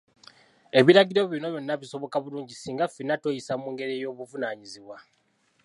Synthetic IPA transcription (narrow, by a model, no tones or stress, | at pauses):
e̞βiɾaɡiɾo̞βjino̞jonːaβiso̞βo̞kaβuluːɲɟisiːŋɡafinato̞jisamuːŋɡe̞ɾejo̞ːβuvunaːɲiziβwa